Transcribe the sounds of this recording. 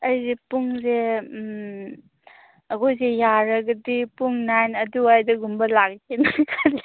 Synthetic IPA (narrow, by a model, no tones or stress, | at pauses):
ɐjzepuŋze | ɐɡojzejaɾɐɡɐdipuŋnajnɐduajdɐɡumbɐlaɡkʰenakʰali